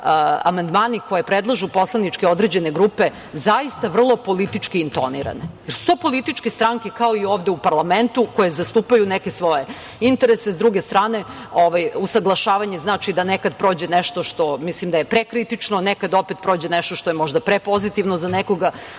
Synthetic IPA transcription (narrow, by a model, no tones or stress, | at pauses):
a̰mand̪maːniko̞jepɾed̪lˠaʒupo̞slˠanit͡ʂkeo̞d̪ɾed͡ʑe̞ne̞ɡɾupe̞ | zaist̪aʋr̩lˠo̞po̞lit̪it͡ʃkiːnt̪o̞nḭɾa̰nejeɾsu̥t̪opo̞lit̪it͡ʃkest̪ɾaŋkekao̞ioːʋd̪eupaɾlˠament̪uko̞jezast̪uːpajunekesʋo̞je̞ | int̪e̞ɾese̞sd̪ɾuɡe̞st̪ɾaːne̞ | oʋajusaɡlˠaʃaːʋaɲeznaːt͡ʃid̪anekad̪̚pɾoːd͡ʑe̞neʃt̪o̞ʃt̪o̞mislimd̪ajepɾekɾit̪it͡ʃnonekad̪opet̪̚pɾo̞ːd͡ʑeneʃt̪oʃt̪o̞jemo̞ʒd̪apɾepo̞zit̪iʋnozaneko̞ɡa